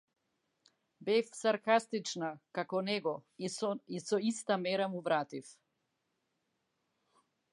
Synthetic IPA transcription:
bɛfsaɾkast̪it͡ʃnakakɔnɛɡɔ | isɔist̪amɛɾamuvɾat̪if

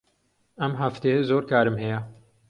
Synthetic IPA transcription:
ɛmɦaft̪eːzoːɾkaːɾɨmhɛjɛ

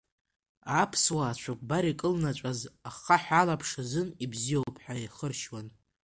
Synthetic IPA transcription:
apʰswaːt͡ʃʷʰakʷʼbaɾikʼɨlnat͡ʃʷʼazaχaħalapʰʂazɨnibzijowpʰʼħaiχərʃwan

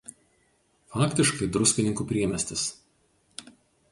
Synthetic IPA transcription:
fɑːkʲt̪ʲɪʃkɐɪd̪ɾʊsʲkʲɪnʲɪŋkuːpʲɾʲiɛmʲɛsʲt̪ʲɪs

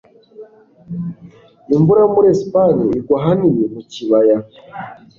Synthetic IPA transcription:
imbuɾamuɾespaniiɡwaɦanijemuciβaja

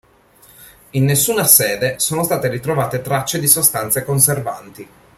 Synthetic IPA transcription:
inːesːuːnasɛːd̪esoːnost̪aːt̪eɾit̪ɾovaːt̪et̪ɾat͡ʃːed̪isost̪ant̪sekonserva̰nt̪i

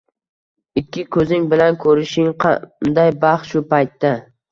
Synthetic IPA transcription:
ɪkʲːɪkʰɵzɪŋbɪlankʰɵɾɪʃɪŋqʰɑ̰nd̪ajbɑχʃʊpʰajt̪ːa

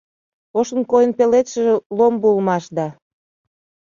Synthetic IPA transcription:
oʃənkojənpelet̪ʃəʒĕlombulmɑʃd̪ɑ

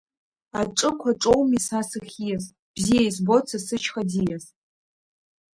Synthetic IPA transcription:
aʈ͡ʂʼɨkʷʰaʈ͡ʂʼowmisasɨχʲijas | b̥zijejsbo̞t͡sʰasɨt͡ʃʰχad͡zijas

